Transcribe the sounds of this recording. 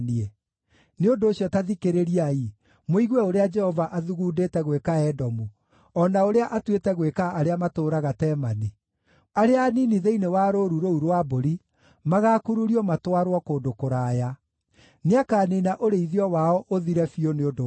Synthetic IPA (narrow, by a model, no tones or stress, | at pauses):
niɛ | neondoːɕjɔtaðikeɾeɾiai | moiɣwɛoɾead͡ʒɛhɔvaʔaðuɣudetɛɣwekaɛdɔmu | ɔnaoɾeaʔatwetɛɣwekaːɾeamatoːɾaɣatɛːmane | aɾeaniniðeinewaːɾoɾuɾouɾwaboɾi | maɣaːkuɾuɾiɔmatwaɾwɔkoːdokoɾaːja | neakaːninaʔoɾeiðiɔwaɔʔoðiɾɛfioneodo